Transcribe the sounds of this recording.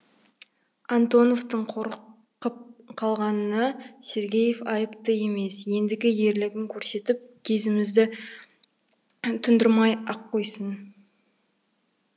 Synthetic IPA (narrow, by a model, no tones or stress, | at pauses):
ant̪o̞no̞ft̪əɴqʰoɾ | qəp̚qʰɑlˠʁɑnənɑse̞ɾɡʲe̞je̞fɑjəpt̪əje̞me̞sje̞nd̪ɪɡʲɪje̞ɾlɪɡʲɪŋkʲʰɵɾse̞t̪ɪp̚kʲʰe̞zɪmɪzd̪ɪ | t̪ʰʏnd̪ɪɾmɑjɑqːo̞jsən